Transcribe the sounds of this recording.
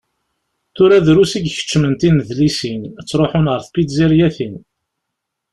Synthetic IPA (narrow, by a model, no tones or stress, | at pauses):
θʊɾæðɾusiɡçə̥t͡ʃːmənt̪inəðlisinət͡sːɾˤoħʊnʁəɾθpid̪ziɾjæθin